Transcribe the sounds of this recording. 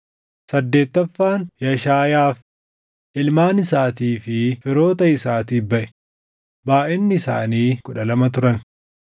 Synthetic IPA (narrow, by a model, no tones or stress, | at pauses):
sɐd̪ːeːt̪ːɐfːaːnjɐʃaːjaːf | ʔɪlmaːnɪsaːt̪iːfɪfɪɾo̞ːt̪ɐɪsaːt̪iːbɐʔɛ̥ | baːʔɪnːɪɪsa̰ːniːkʊᶑɐlɐmɐt̪ʊɾɐn